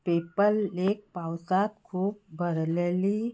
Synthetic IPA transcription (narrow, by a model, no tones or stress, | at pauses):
peːpəleːk̚paːʊsaːt̪kʰuːpbʱəɾlli